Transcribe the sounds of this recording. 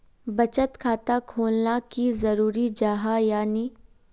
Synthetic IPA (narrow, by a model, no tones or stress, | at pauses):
bɐt͡ʃət̪kʰaːt̪akʰoːlnakizɐɾuːɾid͡ʒaːɦajaːni